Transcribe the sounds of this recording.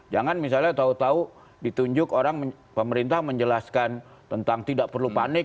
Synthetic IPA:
d͡ʒaŋanmis̬alɲat̪aut̪au | dit̪uɲd͡ʒʊkoɾaŋmə | pəməɾint̪ahməɲd͡ʒəlaskan | t̪ənt̪aŋt̪idaʔpərlupanɪk̚

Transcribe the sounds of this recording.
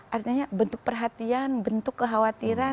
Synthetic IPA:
ʔart̪iɲabənt̪ʊk̚pərɦat̪ianbənt̪ʊkːəɦawat̪iɾa

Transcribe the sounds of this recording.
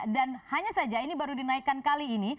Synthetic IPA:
danhaɲasad͡ʒainibaɾudinaikːankaliːni

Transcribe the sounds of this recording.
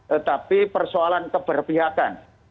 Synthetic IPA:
t̪ət̪apipərsoalankəb̥ərpiɦakan

